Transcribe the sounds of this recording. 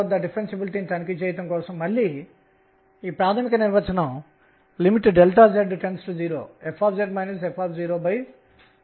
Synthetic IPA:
ɐd̪ɐɖipʰɾensibilʈiːnit̪ɐnikit͡ʃeːjt̪ɐŋkɔːsɐmːɐɭːi | iːpɾaːt̪ʰɐmikɐniɾʋɐt͡ʃɐnɐm | limiʈɖelʈ̪aːd͡ʒeɖʈensʈud͡ʒiːɾo̰ːepʰːaːpd͡ʒeɖmɐjnɐs̬epʰaːpziːɾoːbɐj

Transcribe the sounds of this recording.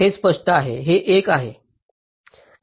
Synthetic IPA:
espəʂʈəaɦeɦeʔekaɦe

